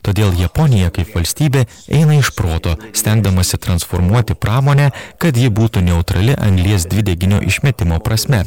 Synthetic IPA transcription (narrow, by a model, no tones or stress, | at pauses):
t̪oːd̪ʲeːlˠjɛpɔnʲɪjɛkɐɪpʋɐlʲsʲt̪ʲiːbʲeː | ɛ̰ɪnɐɪʃpɾoːt̪oːsʲt̪ʲæŋɡd̪ɐmɐsʲɪt̪ɾɐnsfoːɾmuɔt̪ʲɪpɾɑːmoːnʲækɐt̪jɪbuːt̪unʲɛʊt̪ɾɐlʲɪʔɐŋɡlʲiɛsd̪ʲʋʲɪd̪ʲɛɡʲɪnʲo̰ːʔɪʃʲmʲɛt̪ʲɪmoːpɾɐsʲmʲɛ